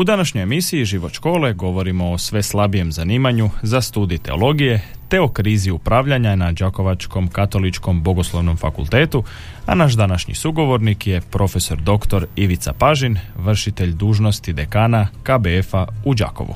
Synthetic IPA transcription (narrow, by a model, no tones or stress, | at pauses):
ud̪anaʃɲo̞jemisiiʒiʋo̞ʃko̞ːle̞ɡo̞ʋo̞ɾimo̞osʋe̞slˠabije̞mzaniːmaɲuzast̪uːd̪ijt̪e̞olo̞ɡije̞t̪e̞o̞kɾiːziupɾaːʋʎaɲanad͡ʒako̞ʋat͡ʃko̞mkat̪o̞lit͡ʃko̞mbo̞ɡoslˠoʋno̞mfa̰kṵlˠt̪eːt̪u | a̰naʃ̬d̪anaʃɲḭsuɡo̞ʋo̞ɾnikje̞pɾʔo̞fe̞so̞ɾd̪o̞kt̪o̞ɾiʋit̪sa̰paʒinʋr̩ʃit̪eʎd̪uːʒno̞st̪id̪ekaːnakabeefaud͡ʒa̰ko̞̰ʋṵ